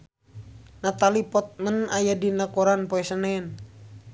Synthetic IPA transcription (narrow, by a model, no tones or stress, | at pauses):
nat̪alipɔt̪̚mənajadinakoɾanpɔɛsənɛn